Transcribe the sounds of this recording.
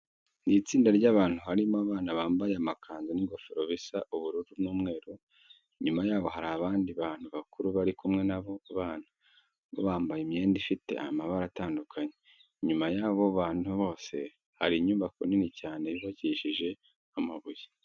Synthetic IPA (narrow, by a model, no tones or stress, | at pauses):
niːt͡siːndaɾɟaːβaːn̥huhaɾimoaβaːnaβaːmbajeamakʰaːnzaniɡo̞feɾoβisaʔuβuɾuɾubnuːmŋe̞ːɾu | ɲumajaːβo̞ɦaɾaːβaːndiβaːn̥huβakuɾuβaɾikumŋe̞naβo̞βaːna | βoβaːmbajime̞ːndifite̞̰a̰maβaɾataːndukʰaɲe | ɲumajaːβo̞βaːn̥huβo̞ːse̞̰ | haɾiɲuːmbako̰ninicaːne̞βiβaɟiʃiʒe̞ | amaβuje